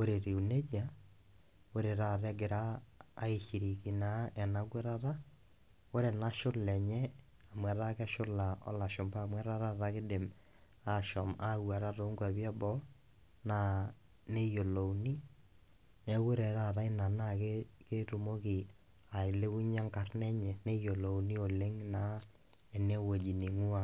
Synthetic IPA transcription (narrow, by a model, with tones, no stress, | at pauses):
o˦ɾe˨ɾe˨u˨ne˦d͡ʒa˨ | o˦ɾe˨ɾa˨ɾɛ˦ɡe˨ɾaː˦i˨ʃi˨ɾi˨ki˨na˨˦ɛ˨na˦kwe˦ɾa˦ɾa˦ | o˦ɾɛ˨na˦ʃo˦lɛ˨ɲɛ˦ | a˨mwa˨ɾa˦ka˦ʃo˦la˨ɔ̰˦la˨ʃo˨mba˦˨mwɛ˦ɾa˦ɾa˦ɾa˦ke˦de˨m | a˦ʃɔ˨ma˦ɣwa˨ɾa˦ɾo˦ŋɡwa˨βja˦bɔ˦ | na˦ | ne˦jo˨lo˨wni˦ | nɛ˨we˦ɾɛ˨ɾa˦˨ta˦ɪ˦na˨na˦ke˦ke˦ɾu˨mo˦kɪ˨ | a˨ɪ˨le˦u˦ɲa˦ŋka˨rnɛ˦ɲɛ˨nɛ˦jo˨lo˨wni˦o˨le˦ŋna˨˦ | ɛ˨ne˦wo˨d͡ʒi˨ni˨ŋu˦a˨